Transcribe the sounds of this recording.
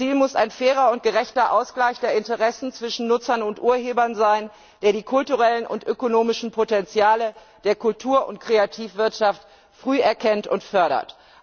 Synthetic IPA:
t͡siːlmʊsa̰ɪnfɛːʁ̞ɐʊnt̚ɡ̥əʁɛçtɐʔaʊsɡ̥laɪçd̥eːɐɪntəʁɛsn̩t͡sv̥ɪʃn̩nʊt͡sɐnʊntʔuːɐheːbɐnzaɪn | d̥eːɐdiːkʰʊltuʁɛlənʊ̰ntʔøkonoːmɪʃn̩pʰotɛnt͡sjaːlə | d̥eːɐkʊltʰuːɐʔʊnt̚kʁ̥eatʰiːfv̥ɪɐtʃaft | fʁ̥yːɛɐkʰɛntʊ̰ntfœɐɾɐ̰t

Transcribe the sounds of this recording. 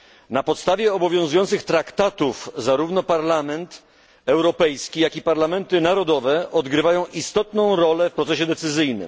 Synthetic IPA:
napɔt̪st̪avʲjɛɔbɔvʲjɔ̃w̃zujɔnt̪sɘxt̪ɾakt̪at̪ufzaɾuvnɔpaɾlamɛnt̪ | ɛwɾɔpɛjskʲijakʲipaɾlamɛnt̪ɘnaɾɔd̪ɔvɛʔɔd̪ɡɾɘvajɔ̃w̃ʔist̪ɔt̪nɔ̃w̃ɾɔlɛfpɾɔt̪sɛɕɛd̪ɛt̪sɘzɘjnɘ̰m

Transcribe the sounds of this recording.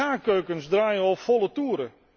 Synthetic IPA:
aːkøɥkənsdraːjəɔpfɔlˠətuːɾə

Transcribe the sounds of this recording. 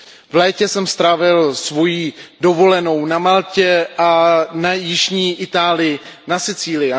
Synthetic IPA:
vlɛːcɛsɛmst̪ɾavɪlsvo̞jido̞vo̞lɛno̞wnamalcɛʔanajɪʒɲiːʔɪt̪aːlɪjɪnasɪt͡siːlɪ

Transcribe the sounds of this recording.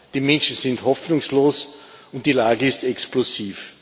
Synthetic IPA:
d̥iːmɛ̃nʃn̩sɪnthɔfnʊŋsloːsʊnt̚d̥ilaːɡəɪstɛksplosiːf

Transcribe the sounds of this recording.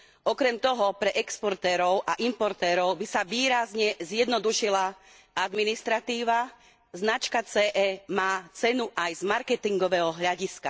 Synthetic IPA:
ɔkɾɛmt̪ɔɦɔpɾɛʔɛkspɔɾt̪ɛːɾɔʊʔaʔimpɔɾt̪ɛːɾɔʊbisaʋiːɾazɲɛzjɛd̪nɔd̪uʃila | ad̪minist̪ɾat̪iːʋa | znat͡ʃkat͡sɛːʔɛːmaːt͡sɛnuʔajzmaɾkɛt̪iŋɡɔʋɛɦɔɦʎaɟiska

